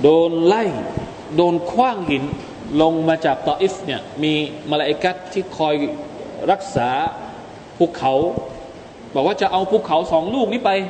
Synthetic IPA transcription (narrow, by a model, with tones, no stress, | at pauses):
doː˧nla˥˩j | doː˧nkʰwaː˥˩ŋhi˩˦n | lo˧ŋmaː˧t͡ɕaː˨˩k̚t̪ɔː˧ʔi˦˥fni˥˩ɐmiː˧ma˧la˧ʔa˧ka˦˥t̪ʰːiː˥˩kʰɔː˧jɾa˦˥˩k̚saː˩˦ | pʰuː˩kʰːa˩˦w | bɔː˨˩k̚waː˥˩t͡ɕa˨˩ʔa˧wpʰuː˥˩kʰa˩˦wsɔː˩˦ŋluː˥˩k̚niː˦˥˩pa˧j